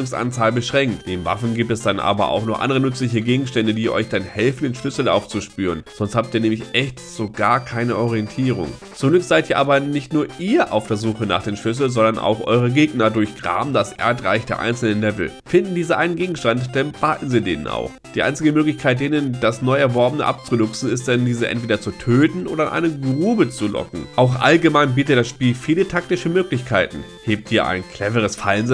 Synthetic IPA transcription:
ʊŋsʔa̰nt͡saːlbəʃʁ̥ɛŋktd̥eːmva̰fn̩ɡiːp̚tɛsd̥anʔa̰ːbɐ̰ʔa̰ʊxnɔːʔa̰ndəʁənʏt͡slɪç̬əɡeːɡŋ̩ʃtɛndədiːʔɔ̰ʏçd̥anhɛlfn̩deːnʃlʏsl̩a̰ʊft͡suʃpyːʁənz̥ɔnsthaːp̚tiːɐnɛːmlɪçʔɛçtz̥oɡaːɐkʰaɪnəʔɔʁiɛntʰiːʁ̞ʊ̰ŋ | t͡sʊmɡlʏkz̥aɪtʔiːɐʔaːbɐnɪçtnuːɐʔiːɐʔaʊfd̥eːɐzuːxəna̰ːχd̥eːmʃlʏs̬l̩zɔndɐnʔa̰ʊxʔɔ̰ʏʁəɡeːɡnɐdʊɐçɡ̥ʁa̰ːbm̩dasʔɛ̰ːɐtʁa̰ɪçd̥eːɐʔa̰ɪnt͡sl̩nəlɛvl̩fɪndn̩diːzəʔaɪnənɡeːɡŋ̩ʃtantd̥ɛnb̥aːtn̩ziːdḛːnə̰na̰ʊxd̥iːʔa̰ɪnt͡sɪɡəmøːklɪçkʰaɪt̚d̥eːnənd̥asnɔʏɛɐvɔɐbənə̰ʔa̰p̚t͡sunʊksn̩ɪst̚d̥ɛndiːzəʔɛ̰ntv̥eːdɐt͡sutʰøːtn̩ʔo̰ːdɐɪnʔa̰ɪnəɡʁuːbət͡sulɔ̰kŋ̩ʔaʊxʔa̰lɡəmaɪnbiːtətd̥asʃpiːlfiːlətʰak̚tɪʃəmøːklɪçkʰaɪtn̩ | heːp̚tʔiːɐʔa̰ɪnkʰl̥ɛvəʁ̞əsfaɪnzɪ

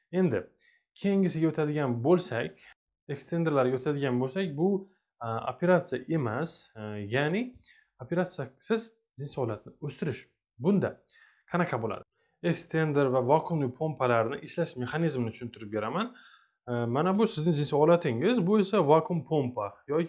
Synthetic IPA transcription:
e̞nd̪ɪ | kʲʰejɪŋɪsɪɡʲaot̪ʰad̪ɪɡʲanbolˠsakʲ | ekst̪ʰe̞nd̪ɾlaɾɡʲaot̪ʰad̪ɪɡʲanbolˠsakʲbʊ | o̰pʰe̞ɾat̪sɨjaʔe̞masjanɪ | opʰe̞ɾat̪sjasɪz | d͡ʒɪnsɒlat̪̚nɪɵst̪ɪɾɪʃ | bʊnd̪a | qʰɑnaqʰɑbola̰d̪ɪ | ekst̪ʰe̞nd̪eɾvavɒqʰʊmlɪpʰo̞mpʰalaɾnɪʔɪʃlaʃme̞χanizmnɪt͡ʃʰʊ̥ʃʊnt̪ɪɾɪp̚be̞ɾaman | manabʊsɪznɪŋd͡ʒɪnsɒɒlat̪ʰɪŋɪzbʊe̞savaqʰʊmpʰompʰajɒ

